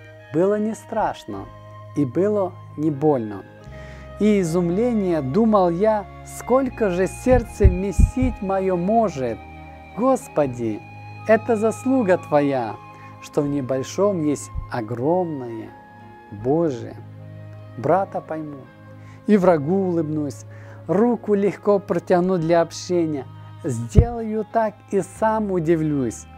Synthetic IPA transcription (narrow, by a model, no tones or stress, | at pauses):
bɨlˠənʲɪst̪ɾaʂnə̰ | ibɨlˠə | nʲɪbo̞lʲnə̰ | iːzʊmlʲenʲɪjəd̪uməlˠja | sko̞lʲkəʐɨsʲe̞rt̪səmʲɪsʲitʲmɐjomo̞ʐɨt̪̚ | ɡo̞spədʲɪ | ɛt̪əzɐslˠuɡət̪vɐja | ʂt̪onʲɪbɐlʲʂomjesʲtʲɐɡro̞mnɨjə̰ | boʐɨ̰jə̰ | bɾat̪əpɐjmu | ivrɐɡuːlˠɨbnusʲrukʊlʲɪxko̞pɾətʲɪɣnud̪lʲɐɐpɕenʲɪjəzʲdʲe̞lˠəjut̪akisamʊdʲɪvlʲusʲ